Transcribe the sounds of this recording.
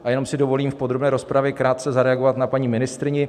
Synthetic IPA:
ʔajɛno̞msɪdo̞vo̞liːmfpo̞d̪ɾobnɛːɾo̞spɾavjɛkɾaːt̪̚t͡sɛzaɾɛaɡo̞vat̪napaɲiːmɪnɪst̪ɾɪɲɪ

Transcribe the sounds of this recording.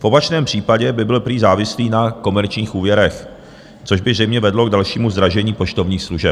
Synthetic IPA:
fʔo̞pat͡ʃnɛːmpr̝̥iːpaɟɛbɪbɪlpɾiːzaːvɪsliːnako̞mɛɾt͡ʃɲiːxʔuːvjɛɾɛx | t͡so̞ʒbɪzrɛjmɲɛvɛdlo̞ɡ̚dalʃiːmuzd̪ɾaʒɛɲiːpo̞ʃt̪o̞vɲiːxsluʒɛp̚

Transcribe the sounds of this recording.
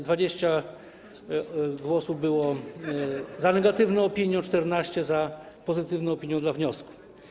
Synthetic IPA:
d̪vad͡ʑeɕt͡ɕa | ɡwɔsuvbɘwɔ | zanɛɡat̪ɘvnɔ̃ɔpʲiɲjɔ̃t͡ʂt̪ɛɾnaɕt͡ɕɛza | pɔzɘt̪ɘvnɔ̃ɔpʲiɲjɔ̃d̪lavɲɔsku̥

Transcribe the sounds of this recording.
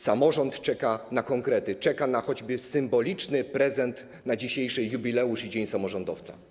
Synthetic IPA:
samɔʐɔnt̪t͡ʂɛkanakɔŋkɾɛt̪ɘt͡ʂɛkanaxɔd͡ʑbɘsɘmbɔlʲit͡ʂnɘpɾɛzɛnt̪ | nad͡ʑiɕejʂɘjubʲilɛuʂid͡ʑeɲsamɔʐɔnd̪ɔft̪sa̰

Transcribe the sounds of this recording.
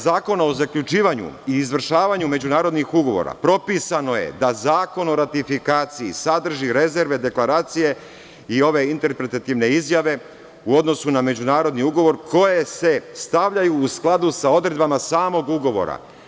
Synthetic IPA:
zaːko̞nao̞zakʎut͡ʃiːʋaɲṵiːzʋr̩ʃaːʋaɲume̞d͡ʒunaːɾo̞d̪nixuɡo̞ʋo̞̰ɾa̰pɾo̞pisano̞je̞̰d̪azaːko̞no̞ɾat̪ifikaːt̪siḭsad̪r̩ʒiɾe̞ze̞ɾʋe̞d̪e̞klˠaɾaːt̪sije̞ | io̞ʋe̞int̪e̞ɾpɾe̞t̪at̪iʋne̞izjaʋe̞ | uo̞d̪no̞suname̞d͡ʑunaːɾo̞d̪niuɡo̞ʋo̞ɾko̞jese̞st̪aʋʎajuːsklˠad̪usao̞d̪ɾe̞d̪bamasaːmo̞ɡuɡo̞ʋo̞̰ɾa̰

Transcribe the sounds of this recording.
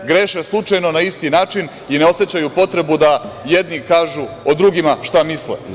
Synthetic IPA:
ɡɾeːʃeslˠut͡ʃajno̞naist̪inaːt͡ʃin | ine̞o̞se̞t͡ɕajupo̞t̪ɾe̞bud̪ajed̪nikaːʒuod̪ɾuɡimaʃt̪amislḛ

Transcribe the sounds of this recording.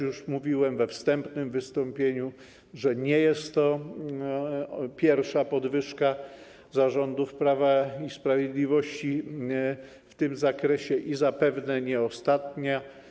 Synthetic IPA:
juʂmuvʲiwɛmvɛfst̪ɛmpnɘmvɘst̪ɔmpʲjeɲu | ʐɛɲɛjɛst̪ːɔ | pʲjɛɾfʂapɔd̪vɘʂka | zaʐɔnd̪ufpɾavaispɾavʲjed̪lʲivɔɕt͡ɕi | ft̪ɘmzakɾɛɕɛʔizapɛvnɛɲɛɔst̪at̪ɲa

